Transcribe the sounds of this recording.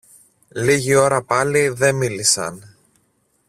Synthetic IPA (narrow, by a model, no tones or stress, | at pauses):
liʝio̞ɾɐpɐliðe̞milisɐ̰n